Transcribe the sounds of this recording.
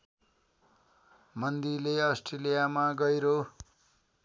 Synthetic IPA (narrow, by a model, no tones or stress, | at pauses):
mʌnd̪ileʌsʈrelijamaɡʌjɾo